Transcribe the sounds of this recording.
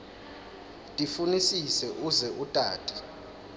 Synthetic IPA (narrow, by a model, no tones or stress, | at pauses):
tʼifunisisɛʔuzɛʔutʼaːtʰʼi̥